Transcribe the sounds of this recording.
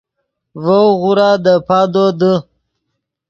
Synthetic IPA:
vowɣuɾad̪əpad̪od̪ə

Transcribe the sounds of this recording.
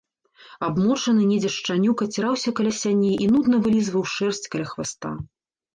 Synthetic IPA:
abmɔt͡ʂɐnɨnʲɛd͡zʲɛʂt͡ʂanʲukɐt͡sʲiɾawsʲɐkɐlʲasʲanʲejʔinud̪nɐvɨlʲizvɐwʂɛrsʲt͡sʲkɐlʲaxvast̪a̰

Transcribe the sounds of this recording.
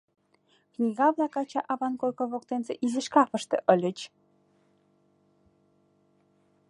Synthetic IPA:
knʲiɣɑβlɑkɑt͡ɕɑʔɑvɑnkojkovokt̪enzeʔizɘ̆ʃkɑfə̆ʃt̪ḛ̆ʔəlʲə̆t͡ɕ

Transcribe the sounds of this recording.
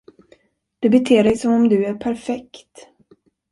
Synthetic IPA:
d̪̥ɵbɛt̪ʰeːɾɛjsɔmɔmd̪ɵæɾpʰæɾfɛkt̪

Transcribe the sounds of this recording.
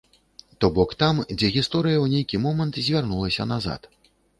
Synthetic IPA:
t̪ɔbɔkt̪amd͡zʲɛɣʲist̪ɔɾɨjɐwnʲejkʲimɔmɐnt̪zʲvʲarnulˠɐsʲɐ̰naza̰t̪

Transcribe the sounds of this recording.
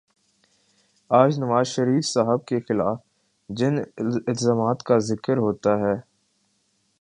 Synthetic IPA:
aːd͡ʒnɐʋaːzʃɐɾiːfsaɦəbkexɪlaːf | d͡ʒɪnɪlzaːmaːt̪kazɪkəɾɦoːt̪aɦɛː

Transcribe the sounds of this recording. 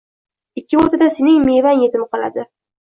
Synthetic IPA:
ɪkʲʰːɪot̪ʰad̪asenɪŋmevanjet̪ʰɪnqɒla̰d̪ɪ

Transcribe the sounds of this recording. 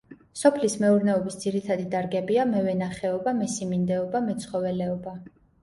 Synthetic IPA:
sɔpʰlismɛuɾnɛɔbisd̪ziɾit̪ʰad̪id̪aɾɡɛbiamɛvɛnaχɛɔbamɛsimind̪ɛɔbamɛt̪sʰχɔvɛlɛɔba

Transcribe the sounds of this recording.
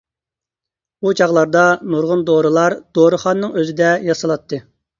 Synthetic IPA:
ud͡ʒɑʁlˠɑɾd̪ɑnuɾʁʊnd̪oɾɨlˠɑɾd̪̥oɾɨχɑnːɨŋøzɪd̪ɛjɑsɑlˠɑt̪ʰːɨ

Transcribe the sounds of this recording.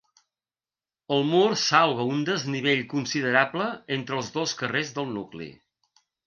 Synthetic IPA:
əlˠmursalˠβ̞əund̪əzniβ̞eʎkunsiðəɾabləent̪ɾəːlˠzðoskərezðəlˠnuklḭ

